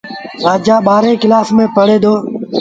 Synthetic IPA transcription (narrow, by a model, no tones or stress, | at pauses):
ɾaːd͡ʒaːɓaːɾẽːkɪlaːfmẽːpəɽeːd̪oː